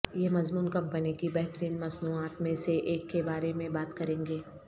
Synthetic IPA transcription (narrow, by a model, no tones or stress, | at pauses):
jemɐzmuːnkɐ̃mpənikibɛɦt̪əɾiːnmɐznuaːt̪mẽseʔeːkːebaːɾemẽbaːt̪kɐɾẽːŋɡeː